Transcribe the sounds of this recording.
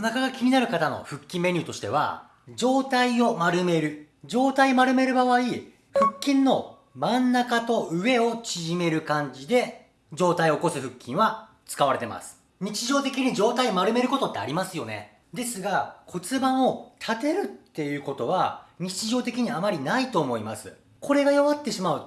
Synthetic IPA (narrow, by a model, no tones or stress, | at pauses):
onakaɡakʲiɲ̟inaɾɯ̟kat̪ano̰ɸɯ̟kʲːĩmːeɾʲɨːt̪o̞ɕi̥t̪eβ̞a̰ | d͡ʑo̞ːt̪aio̞maɾɯ̟me̞ɾɯ̟ | d͡ʑo̞ːt̪aimaɾɯ̟me̞ɾɯ̟baβai | ɸɯ̟kʲːĩnːo̞ | mãnːakat̪o̞ʔɯ̟e̞o̞t͡ɕiʑime̞ɾɯ̟kãɲ̟d͡ʑid̪e̞ | d͡ʑo̞ːt̪aio̞kosɨɸɯ̟kʲːĩɰ̃βa | t͡sɨ̥kaβaɾe̞t̪e̞ma̰sɨ̥ | ɲ̟it͡ɕiʑo̞ːt̪e̞kʲiɲ̟id͡ʑo̞ːt̪aiomaɾɯ̟me̞ɾɯ̟ko̞t̪o̞t̪ːea̰ɾʲimasɨjo̞ne̞̰ | d̪e̞sɨɡakʰo̞t͡sɨbãɰ̃o̞t̪ʰat̪e̞ɾɯ̟t̪ːe̞jɯ̟ːko̞t̪o̞βaɲ̟it͡ɕiʑo̞ːt̪e̞kʲiɲ̟iamaɾʲinait̪o̞ːmo̞ima̰sɨ̰ | kʰo̞ɾe̞ɡajoβat̪ːe̞ɕimaɯ̟